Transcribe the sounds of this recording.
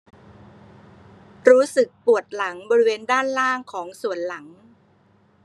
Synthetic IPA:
ɾuː˦˥sɯ˨˩k̚pu˨˩ət̪̚la˩˦ŋbɔː˧ɾi˦˥weː˧ndaː˥˩nlaː˥˩ŋkʰɔː˩˦ŋsu˨˩ənla˩˦ŋ

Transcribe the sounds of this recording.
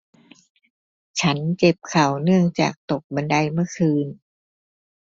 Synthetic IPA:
t͡ɕʰa˦˥nt͡ɕe˨˩p̚kʰa˨˩wnɯ˥˩əŋt͡ɕa̰ː˨˩k̚t̪o˨˩k̚ba˧nda˧jmɯ˥˩əkʰɯː˧n

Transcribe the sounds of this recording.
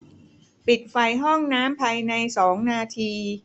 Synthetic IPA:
pi˨˩t̪̚fa˧jɦɔ˥˩ŋnaː˦˥mpʰaː˧jna˧jsɔː˩˦ŋnaː˧t̪ʰiː˧

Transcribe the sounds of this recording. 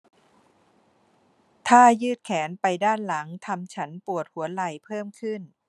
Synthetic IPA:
t̪ʰaː˥˩jɯː˥˩t̪̚kʰɛː˩˦npa˧jdaː˥˩nla˩˦ŋt̪ʰa˧mt͡ɕʰa˦˥npu˨˩ət̪̚hu˩˦ɐla˨˧˩jpʰɤː˥˩mkʰɯ˥˩n

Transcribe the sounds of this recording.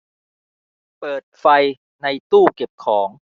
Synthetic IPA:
pɤː˨˩t̪̚fa˧j | na˧jt̪uː˥˩ke˨˩p̚kʰɔː˩˦ŋ

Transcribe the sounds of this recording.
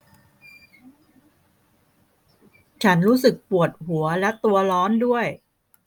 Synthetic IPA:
t͡ɕʰa˦˥nɾuː˦˥sɯ˨˩k̚pu˨˩ət̪̚hu˩˦ɐlɛ˦˥t̪u˧ɐlɔː˦˥ndu˥˩əj

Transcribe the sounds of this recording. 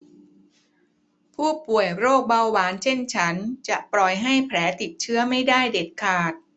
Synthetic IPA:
pʰuː˥˩pu˨˩əjɾoː˥˩k̚ba˧wwaː˩˦˥nt͡ɕʰe˥˩nt͡ɕʰa˦˥nt͡ɕa˨˩ʔplɔ˨˩jɦa˥˩jpʰlɛː˩˦t̪i˨˩t̪̚t͡ɕʰɯ˦˥ɐma˥˩jdaː˥˩jde˨˩t̪̚kʰaː˨˩t̪̚

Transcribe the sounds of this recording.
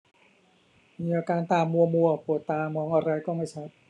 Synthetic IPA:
miː˧ʔaː˧kaː˧nt̪aː˧mːu˧ɐmu˧ɐpʰu˨˩˦t̪ːaː˧mɔː˧ŋʔa˧ɾa˧jkɔː˥˩ma˥˩jt͡ɕʰa˦˥t̪̚

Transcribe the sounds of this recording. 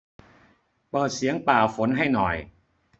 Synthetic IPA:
pɤː˨˩t̪̚si˨˩˦əŋpaː˨˩fo˩˦nɦa˥˩jnɔ˨˩j

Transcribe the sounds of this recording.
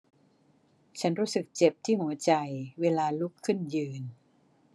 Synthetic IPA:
t͡ɕʰa˦˥nɾuː˦˥sɯ˨˩k̚t͡ɕe˨˩p̚t̪ʰiː˥˩mu˨˩˦t͡ɕa˧jweː˧laː˧lu˦˥kʰːɯ˥˩njɯː˧n

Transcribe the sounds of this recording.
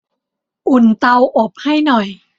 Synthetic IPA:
ʔu˨˩nt̪a˧wʔo˨˩p̚ha˥˩jnɔ˨˩j

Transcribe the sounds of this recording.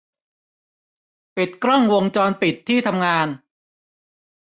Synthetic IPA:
pi˨˩t̪̚kɾɔ˥˩ŋwo˧ŋt͡ɕɔː˧npi˨˩t̪ʰːiː˥˩t̪ʰa˧mŋaː˧n

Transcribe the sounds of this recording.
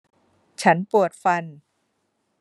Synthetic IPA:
t͡ɕʰa˦˥npu˨˩ət̪̚fa˧n

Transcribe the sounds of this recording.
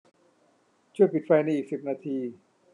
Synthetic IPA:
t͡ɕʰu˥˩əjpi˨˩t̪̚fa˧jna˧˥jʔiː˨˩k̚si˨˩p̚naː˧t̪ʰiː˧

